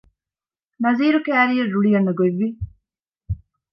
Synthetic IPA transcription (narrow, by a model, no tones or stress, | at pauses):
nɐziːɾukæːɾijɐrːuɭijɐnːɐɡoeʋːi